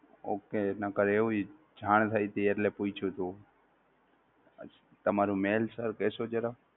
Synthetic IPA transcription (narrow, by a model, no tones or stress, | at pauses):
o̰ːkenakəɾeːũ | d͡ʒʱaːɳt̪ʰajt̪əəɾleput͡ʃʰut̪ũ | t̪əmaːɾũmeːlsəɾkeːsod͡ʒəɾa